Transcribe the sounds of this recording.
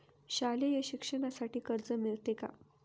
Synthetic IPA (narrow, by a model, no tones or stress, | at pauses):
ɕalejeɕikʂəɳ̃asaʈiːkəɾd͡zəmiɭt̪eka̰